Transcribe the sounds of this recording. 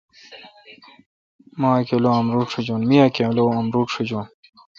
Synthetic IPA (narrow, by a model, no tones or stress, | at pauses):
mãːkeloːɐmɾuːʈʂud͡ʑoːnmijakeloɐmɾuːʈʂud͡ʑoːn